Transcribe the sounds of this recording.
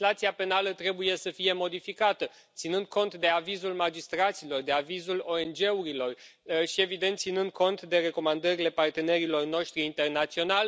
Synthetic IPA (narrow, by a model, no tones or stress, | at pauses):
lat̪siape̞nalət̪ɾe̞buje̞səfije̞mo̞d̪ifikat̪ə | t̪sinɨnd̪̚ko̞nt̪d̪e̞avizulmad͡ʒist̪ɾat̪silo̞rd̪e̞avizulo̞e̞nd͡ʒe̞uɾilo̞r | ʃie̞vid̪ent̪sinɨnd̪̚ko̞nt̪d̪e̞ɾe̞ko̞mand̪əɾile̞part̪e̞ne̞ɾilo̞rno̞ʃt̪ɾiːnt̪e̞rnat̪sio̞nalʲ